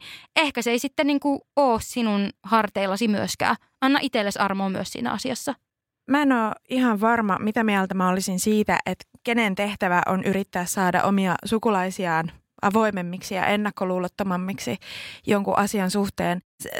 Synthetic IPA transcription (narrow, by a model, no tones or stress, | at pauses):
ehkæseisit̪ːeniːŋkuoːssinunhɑrt̪eilːɑsimyøskæ̰ː | ʔɑnːɑʔit̪elːesɑrmoːmyøssḭːnæ̰ɑsiɑsːɑ | mæenoːihɑʋʋɑrmɑmit̪æmiælt̪æmæolisinsiːt̪æ̰ʔet̪kenent̪eht̪æʋæʔonʔyɾit̪ːæːssɑːdɑ̰ʔomiɑsukulɑisiɑːn | ʔɑʋo̞imemːiksijɑ̰ʔenːɑkːoluːlot̪ːomɑmːiksijoŋkṵʔɑsiɑnsuht̪eːns